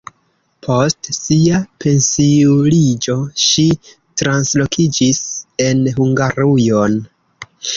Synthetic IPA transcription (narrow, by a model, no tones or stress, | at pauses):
pʰo̞stsiapʰe̞nsiulid͡ʒo̞ʃi | tɾanslo̞kʰid͡ʒise̞nɦuŋɡaɾujo̞n